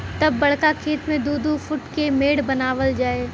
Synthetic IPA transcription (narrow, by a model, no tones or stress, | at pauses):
t̪ɐbːɐɽkakʰeːt̪mẽd̪uːd̪ufʊʈkemeːɽbɐnaːʋəld͡ʒaːe